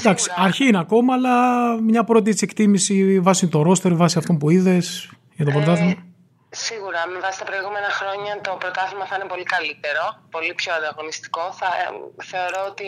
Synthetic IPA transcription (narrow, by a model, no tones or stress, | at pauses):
d̪ɐksi̥ɐɾçiineɐko̞mɐːlɐmɲɐpɾo̞t̪iet̪se̞kt̪imisivɐsit̪oɾo̞st̪e̞ɾvɐsiɐft̪o̞mpuiðe̞s | ʝɐt̪o̞pɾot̪ɐθmɐɐ | siɣuɾɐme̞vɐsi̥st̪ɐpɾo̞iɣume̞nɐxɾo̞ɲɐt̪o̞pɾot̪ɐθizmɐθɐinepo̞likɐlit̪e̞ɾo̞po̞lipçoɐnd̪ɐɣo̞nist̪i̥ko̞θɐ̰θe̞o̞ɾo̞ot̪i